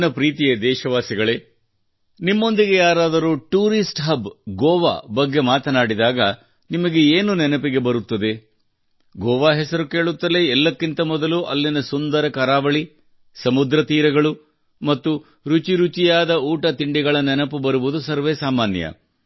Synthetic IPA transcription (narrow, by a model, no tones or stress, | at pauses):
nɐpɾiːt̪ijed̪ɛːʃɐʋaːsiɡɐɭeː | nimːo̞nd̪iɡe̞jaːɾaːd̪ɐɾuʈuːɾisʈɦɐbɡɔːʋa̰ːbɐɡːe̞maːt̪ɐnaːɽid̪aːɡɐ | nimɐɡe̞eːnunɛnɐpiɡe̞bɐɾut̪ːɐd̪e̞ | ɡɔːʋaːɦɛsɐɾuke̞ːɭut̪ːɐleɛlːɐkːint̪ɐmɔd̪ɐluʔɐlːinɐsund̪ɐɾɐkɐɾaːʋɐɭi | sɐmud̪ɾɐt̪iːɾɐɡɐɭu | mɐt̪ːu | ɾut͡ʃiɾut͡ʃijaːd̪ɐuːʈɐt̪iɳɖiɡɐɭɐnɛnɐpubɐɾuʋud̪usɐɾʋeːsaːmaːnjɐ̰